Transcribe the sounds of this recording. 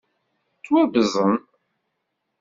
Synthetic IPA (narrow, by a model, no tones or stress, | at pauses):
t͡sːwæbəzˤən